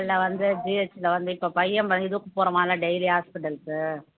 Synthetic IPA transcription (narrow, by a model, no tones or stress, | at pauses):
ɭːɐʋɐnd̪ɯd͡ʒiɛt͡ʃːlɐʋɐnd̪ɯɪpːoːpɐjɛmʋɐnd̪ɪðɯʊkːɯpoːɾɐʋaːlaɖɛjliɦaːspɪʈɐlsɯ